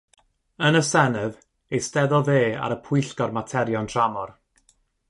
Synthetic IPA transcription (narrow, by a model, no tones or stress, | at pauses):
ənəsɛnɛv | ejstɛðɔlˠveːa̰ɾəpʰʊɨɬkɔrmatʰɛɾjɔntʰramɔr